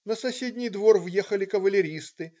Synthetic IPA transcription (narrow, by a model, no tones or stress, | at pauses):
nəsɐsʲedʲnʲɪjd̪vo̞rvjexəlʲɪkəvəlʲɪɾʲist̪ɨ